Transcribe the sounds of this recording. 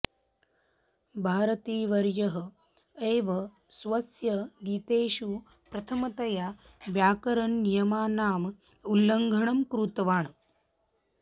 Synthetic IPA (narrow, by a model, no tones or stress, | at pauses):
bʱaːɾɐt̪iːʋɐɾjɐɦɐ̆ | eːʋɐ | sʋɐsjɐɡiːt̪eːʃu | pɾɐt̪ʰɐmɐt̪ɐjaː | ʋjaːkɐɾɐɳnijɐmaːnaːm | ulːɐŋɡʱɐɳɐmkɾuːt̪ɐʋaːɳ